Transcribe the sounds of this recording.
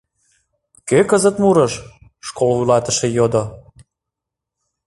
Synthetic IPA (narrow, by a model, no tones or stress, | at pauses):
køkəzə̆t̪muɾəʃʃkolujlɑt̪əʃejod̪o